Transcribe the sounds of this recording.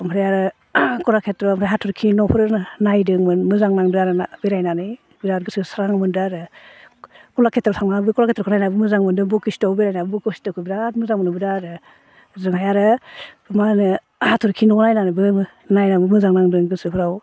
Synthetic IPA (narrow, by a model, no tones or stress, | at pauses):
mʰɾejaɾɯ | kɔlakʰetɾɔmɾejɦatʰɔɾkʰinɔwpʰɔɾɯɾnnajdɯŋmɯnmɯzaŋnaŋdɯaɾɯnabeɾajnanɯj | biɾaɾɡɯsɯsaɾaŋmɯndɯaɾɯ | kɔlakʰetɾɔsʰaŋnabɯkɔlakʰetɾɔkɔnajnabɯmɯzaŋmɯndɯŋbɔkisi̥tawbeɾajnabbɔkɯsi̥tawkʰɯbiɾaɾmɯzaŋmɯnɯbidaɾɯ | zɯŋajaɾɯbmanɯ | hatʰɔɾkʰinɔnajnanɯbɯ | najnabɯmɯzaŋnaŋdɯŋɡɯsɯpʰɯɾaw